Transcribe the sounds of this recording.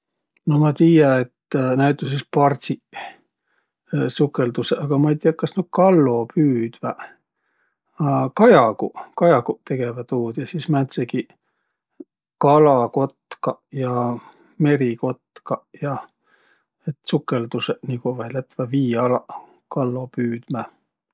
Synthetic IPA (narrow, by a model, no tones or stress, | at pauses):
nomɑt̪iːjɑet̪ːnæyt̪ːˑusispɑrsi | sukːˑe̞ld̪useʔɑɡ̥ɑmɑejt̪iːɑkːɑsny̥kɑlːopyːd̪̥væ | kɑjɑkukɑjɑɡut̪e̞ɡ̥e̞væt̪uːd̪̥jɑsiːsmænt̪seɡi | kɑlɑko̞t̪kɑjɑ | me̞ɾiko̞t̪kɑjɑ | et̪sukːˑe̞ld̪useniɡ̥uvɑjlæt̪ːvæviːɑlɑ | kɑlːo̞pyːd̪̥mæ